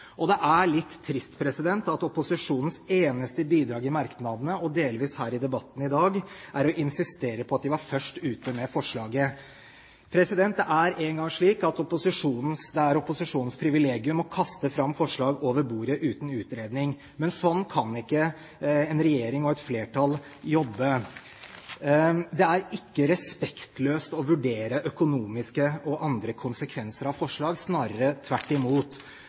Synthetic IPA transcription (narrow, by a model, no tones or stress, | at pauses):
ʔɔd̪ɛʔæɭɪt̪ʰːɾɪst̪pʰɾɛsɪd̪ɛnt̪ɑt̪ɔpʊsɪʂuːnən̩seːnəst̪əbiːd̪ɾɑːɡɪmɑɾknɑd̪ənəɔd̪eːlʋiːshæːɾɪd̪ɛbɑt̪ːn̩ɪd̪ɑːɡʔæɾɔʔɪnsɪst̪eːɾəpʰɔɑt̪̚d̪ɪʋɑɾfœʂʈʉːt̪əmɛfɔʂɭɑːɡə | pʰɾɛsɪd̪ɛnt̪ɛʔæɾeːŋɡɑŋʂɭiːkɑt̪ɔpʊsɪʂuːnn̩sd̪ɛæɾɔpʊsɪʂuːnn̩spʰɾɪʋɪleːɡɪʉmɔkʰɑst̪əfɾɑmːfɔʂɭɑːɡoːʋəɾbuːɾəʔʉːt̪n̩ʉːt̪ɾeːd̪nɪŋ | mɛnsɔnːkʰɑnɪkːə | ɛnɾɛjeːɾɪŋɔɛt̪fleːʈɑl | jɔbːə | d̪ɛæɾɪkːəɾɛspɛkt̪løːst̪ɔʋʉɖeːɾəʔœkʊnuːmɪskəʔɔʔɑnd̪ɾəkʰʊnsəkʰʋɛnsəɾɑʋfɔʂɭɑːɡsnɑːɾəɾət̪ʰʋæʈːɪmuːt̪